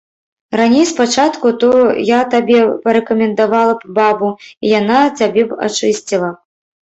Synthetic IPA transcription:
ranʲejspat͡ʂat̪kut̪ɔjat̪abʲɛpɐɾɛkɐmʲɛnd̪avalˠɐpbabuijanat͡sʲabʲɛa̰t͡ʂɨsʲt͡sʲilˠɐ

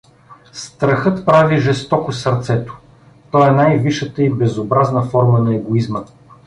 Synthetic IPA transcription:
st̪ɾɐxɤt̪pɾaviʒɛst̪ɔkʊsɐɾt̪sɛt̪o̥ | t̪ɔɛnajviʃət̪əibɛzobɾaznəfɔɾmənɐɛɡoizmə

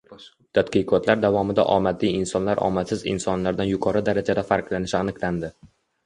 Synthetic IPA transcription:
t̪ʰad̪qɨqʰɒt̪ʰlaɾd̪avɒmɪd̪a̰ʔɒmat̪ʰijɪnsɒnlaɾʔɒ̰masɪzɪ̰nsɒnlaɾd̪anjʊqʰɒɾɪd̪aɾad͡ʒad̪afaɾqlanɪʃɪanɨqland̪ɪ

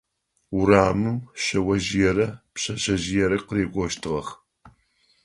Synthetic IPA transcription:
ʊɾaːmɨmɕɐwɐʒɪjɛɾɐpɕɐɕɐʑɪjɛɾɐqəɾeːɡʷɔʃtʰɨʁɐχ

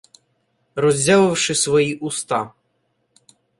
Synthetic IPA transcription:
rɔzʲaʋɪwʃɪsʋɔjiʔʊst̪ɑ

